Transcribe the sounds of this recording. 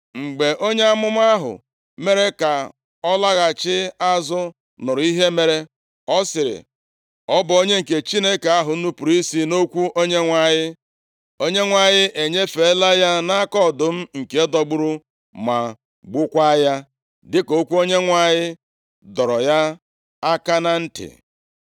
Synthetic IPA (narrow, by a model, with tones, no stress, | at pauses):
ŋ͡m̩˨ɡ͡be˨ʔo˦ɲe˦a˦mʊ˦m˦a˦ɦʊ̰˨ | me˦ɾe˦ka˨ | ɔ˦la˦ɣa˨t͡ʃɪ˦a˦zʊ˦ | nʊ˨ɾʊ˨˦i˦ɦe˦me˨ɾe˦ | ɔ˦sɪ˨ɾɪ̰˨ | ɔ˦bʊ˨o˦ɲe˦ŋ̩˨ke˨t͡ʃi˦ne˦ka˨a˦ɦʊ˨n̩˦nu˦pu˨ɾi˦si˦no˦kʷu˦ʔo˦ɲe˦ŋʷa˨ɲɪ˦ | o˦ɲe˦ŋʷa˨ɲɪ˦ʔe˨ɲe˦fe˨˦la˦ja˦na˦a˦kɔ˦˨dʊ˨m̩˦ŋ̩˨ke˨˦e˦dɔ˨ɡ͡bʊ˦ɾʊ˦ | ma˨ | ɡ͡bʊ˦kʷa˦ja˦ | dɪ˦ko˦kʷu˦o˦ɲe˦ŋʷa˨ɲɪ˦ | dɔ˨ɾɔ˨ja˦ | a˦ka˦na˦n̩˦tɪ̰˨